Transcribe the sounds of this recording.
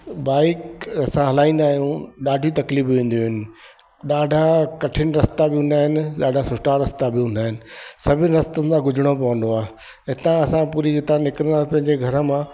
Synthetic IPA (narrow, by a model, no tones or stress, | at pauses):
baːɪkɐsãɦɐlaːĩːnd̪aːɦijũɗaːɖʱijũt̪ɐkliːbʋẽːnd̪joɦʊɪnɪ̆ | ɗaːɖʱakɐʈʰɪnɪ̆ɾɐst̪abɪʊ̃nd̪aːɦɪnɪɗaːɖʱasʊsʈaɾɐst̪abɪũnd̪aːɦɪnɪ̆sɐbʱɪnɪ̆ɾɐst̪ənd̪ãɡʊd͡ʑʱɪɽ̃opɐʋə̃nd̪oaːɦ | ɦɪt̪ãɐsãpuːɾiɪt̪ãnɪkɾənd̪ãːpɐ̃ɦɪ̃ɲd͡ʑeɡʱɐɾə̆mã